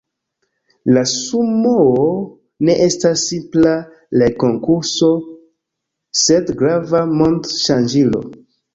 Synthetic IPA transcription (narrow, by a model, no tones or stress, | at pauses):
lasumoo | ne̞ʔe̞stasːimpla | leko̞ŋkuɾso̞ | sedɡɾavamo̞ndʃand͡ʒilo̞̰